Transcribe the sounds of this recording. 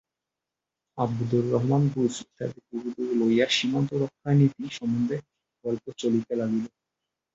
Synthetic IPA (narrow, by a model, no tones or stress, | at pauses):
ab̚dd̪ulːɔɦmanbud͡ʑt̪a̰d̪epuɡud̪ulojaɾʃimont̪oɾɔkʰːanit̪iʃɔmund̪ʱe | ɡ̥ɔlpot͡ɕolit̪elaɡilo